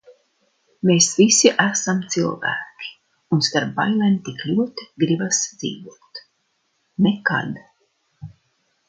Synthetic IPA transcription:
meːsvisiʔæsamt̪silˠvæ̰ːkʲi̥ | unst̪aɾpːa̰jlˠɛmt̪iklʲuɔt̪i̥ɡɾibasd̪zḭːvuɔt̪ | neka̰d̪

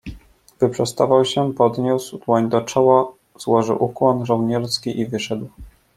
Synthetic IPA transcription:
bɘpʂɛst̪avawɕɛpɔd̪ɲuswd̪wɔɲd̪ɔt͡ʂɔwa | z̥wɔʐɘ̰wʔukwɔnʐɔwɲɛɾskʲiʔivɘʂɛd̪w

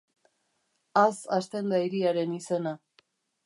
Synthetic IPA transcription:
asast̪e̞nd̪aiɾiaɾe̞nise̞na

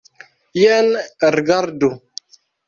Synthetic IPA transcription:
jɛnɾɡaɾdu

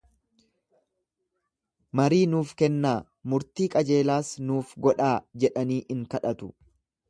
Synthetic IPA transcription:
mɐɾiːnuːfkɛnːaː | mʊɾt̪iːkʼɐd͡ʒe̞ːlaːsnuːfɡɔᶑaːd͡ʒɛᶑɐniːʔɪŋkɐᶑɐt̪ʊ

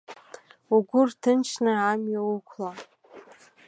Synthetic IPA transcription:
uɡʷʊrtʰɨnt͡ʃʰnɨʕamjawukʷʰla

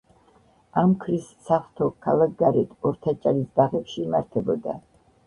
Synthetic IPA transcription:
amkʰɾisːaχt̪ʰɔkʰalˠak̚ɡaɾɛt̪ʰɔɾt̪ʰat͡ʃʼaɾisd̪aʁɛpʃiːmaɾt̪ʰɛbɔd̪a̰

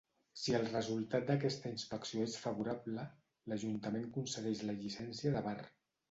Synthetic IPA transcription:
siəlˠrəzulˠt̪at̪̚d̪əkɛst̪əinspəksijoesfəβuɾaβlə | ləʒunt̪əmeŋkunsəðɛʃləʎisɛnsiəðəβar

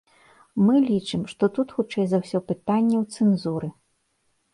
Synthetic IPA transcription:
mɨlʲit͡ʂɨmʂt̪ɔt̪ut̪xut͡ʂɛjzɐwsʲɔpɨt̪anʲːɛwt̪sɛnzuɾɨ

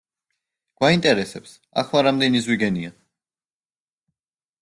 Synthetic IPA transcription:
ɡ̥waint̪ʼɛɾɛsɛps | a̰χlˠaɾamd̪ɛnizwiɡɛnia

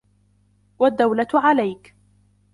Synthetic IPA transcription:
wad̪ːawlat̪ʕalajk

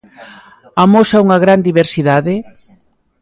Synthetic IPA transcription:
amosauŋɐɣɾand̪iβeɾsiðaðɪ

